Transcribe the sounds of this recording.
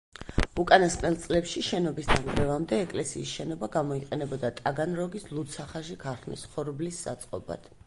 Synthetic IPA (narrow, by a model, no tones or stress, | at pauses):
ukʼanasqʼnɛlˠt̪sʼlɛpʃiʃɛnɔbisd̪anɡɾɛvamd̪ɛːkʼlɛsiːsʃɛnɔbaɡamɔiqʼɛnɛbɔd̪at̪ʼaɡanɾɔɡislˠut̪sʰaχaʃikʰaɾχmḭsχɔɾblisːa̰t̪sʼqʼɔba̰d̪̥